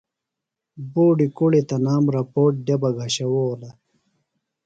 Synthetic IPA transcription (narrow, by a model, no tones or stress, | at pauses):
boːɖikuɽit̪ɐnaːmɾɐpoːʈ̚ɖjɐbɐɡʱaɕɐwolɐ